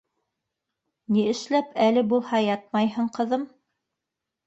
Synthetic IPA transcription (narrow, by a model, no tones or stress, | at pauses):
niɘ̆ʃlæpælɘbulˠhɑjɑt̪̚mɑjɦɤɴqɤ̆ðɤm